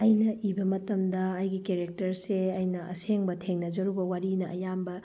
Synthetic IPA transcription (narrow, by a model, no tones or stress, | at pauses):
ɐjnɐʔibɐmɐtɐmdɐːjɡikeɾek̚tɐɾseɐjnɐɐ̰seŋbɐtʰeŋnɐd͡ʒɐɾubɐwaɾinɐʔɐjambɐ